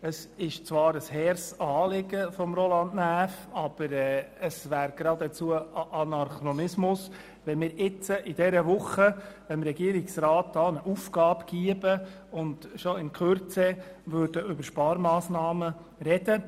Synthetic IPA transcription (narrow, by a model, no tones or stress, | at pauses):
əsɪʃt͡sʋɑːɾəshɛɾsɑːlɪɡəfɔmɾolɑndnæːfɑb̥əɾɛəsvæːɾɡɾɑdɛt͡suəʔɑnɑɾχɾɔnɪsmʊs | ʋɛnmɪːɾɪt͡səʔɪd̪ɛɾəʋʊχəʋɛnmɾɛɡiəɾɪksrɑːt̚d̥ɑːnəʔuːfɡɑːbɡ̥iəbə | ʊndʃoɪnkʰøɾt͡sɛʋøɾd̥əʔʏbəɾʃpɑːɾmɑːsnɑːmə | ɾɛd̥ə